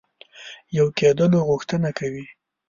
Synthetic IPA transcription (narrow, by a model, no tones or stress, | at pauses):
jawked̪əloɣʊxt̪ənakʰawi